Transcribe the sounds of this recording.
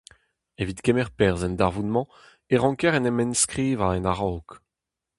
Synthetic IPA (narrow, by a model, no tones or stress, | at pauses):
evit̪kɛmɛʁpɛʁzɛnd̪aʁvunmɑ̃ | eʁɑ̃kɛʁɛnɛmɛnskʁiːvaɛnaʁɔːk